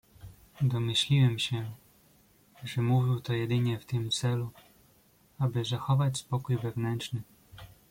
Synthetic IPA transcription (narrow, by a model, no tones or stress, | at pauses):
d̪ɔmɘɕlʲiwɛmɕɛ | ʐɛmuvʲiwt̪ɔjɛd̪ɘɲɛft̪ɘmt̪sɛlu | abɘzaxɔvat͡ɕspɔkujvɛvnɛnt͡ʂnɘ